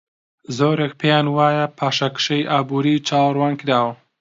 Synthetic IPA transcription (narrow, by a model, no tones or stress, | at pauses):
zoːɾekpʰejaːnwaːjɐpʰaːʃɐkʃejʔaːbuɾit͡ʃaːwɾwɑːnkɾaːwɐ